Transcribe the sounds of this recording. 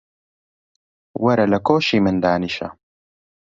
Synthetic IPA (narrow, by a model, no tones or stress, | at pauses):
wɐɾɐlɐkoːʃiːmɨnd̪aːniʃɐ̰